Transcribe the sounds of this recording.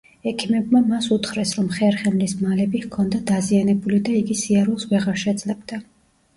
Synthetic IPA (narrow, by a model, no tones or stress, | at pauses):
ɛkʰimɛbmamasut̪χɾɛsɾɔmχɛɾχɛmlismalɛbihkʰɔnd̪ad̪azianɛbulid̪aiɡisiaɾulˠsvɛʁaɾʃɛd̪zlɛbd̪a